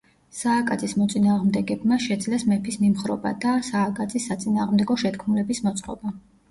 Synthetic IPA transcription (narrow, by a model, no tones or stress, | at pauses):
saːkʼad̪zʰʼismɔt̪sʼinaːʁmd̪ɛɡɛbmaʃɛd̪zlɛsmɛpʰismimχɾɔ̰ba̰d̪asaːkʼad̪zisːat̪sʼinaːʁmd̪ɛɡɔʃɛt̪kʰmulɛbismɔt̪sʼqʼɔ̰ba